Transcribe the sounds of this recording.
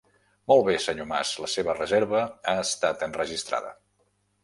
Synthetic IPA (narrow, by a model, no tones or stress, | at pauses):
mɔlˠβesəɲoma̰sləseβərəzeɾβəaəst̪at̪ənrəʒist̪ɾa̰ðə̰